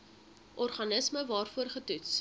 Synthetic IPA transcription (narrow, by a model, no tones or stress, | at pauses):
ʔɔrχɐnəsməvɑːrfuərχətuts